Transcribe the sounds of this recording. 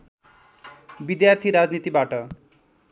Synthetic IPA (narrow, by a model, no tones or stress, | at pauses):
bid̪jart̪ʰiɾad͡znit̪ibaʈʌ